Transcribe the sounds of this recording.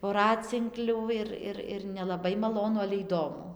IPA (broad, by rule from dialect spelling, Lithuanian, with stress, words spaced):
ʋoːˈrɑːt͡sʲɪŋklʲuː ˈɪr ˈɪr ɪr nʲɛlˠɐˈbɐɪ mɐˈlˠoːnʊ ɐlʲɛ iːˈdoːmʊ